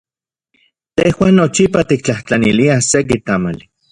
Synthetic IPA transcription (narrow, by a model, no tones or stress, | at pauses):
t̪ehwaːnːot͡ʃipat̪ik̚t͡ɬaht͡ɬaniliasek̬it̪ama̰li